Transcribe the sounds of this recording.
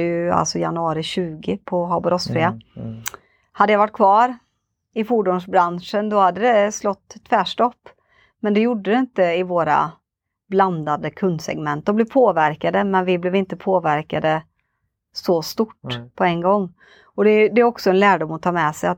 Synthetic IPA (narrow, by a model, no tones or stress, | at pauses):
jɵa̰lsɔjanɵɑːɾɪɕʉ̟ːɡɪpʰɔɦɑbɔɾɔsfɾɪːa | had̪ːəjavaʈːkʰvɑːɾ | ɪfʊɖuːnʂbɾanʂənd̪ɔhad̪ːəd̪ɛslɔt̪ːt̪ʰːvæːʂʈɔpː | mɛnd̪ɛjʊɖːəd̪ɛɪnt̪əɪvoːɾa̰ | bland̪ad̪əkʰɵnd̪sɛ̰ɡmɛnt̪̚d̪ɔmb̪ɛːvpʰoːvæɾkad̪əmɛnvɪblɪːvɪnt̪əpʰoːvæɾkad̪ə | sɔst̪ʊʈːpʰɔɛnːɡɔŋː | ɔd̪ɛd̪ɛæɾɔksɔɛnlæːɖʊmːɔt̪ʰɑːɾmɛsɛjat̪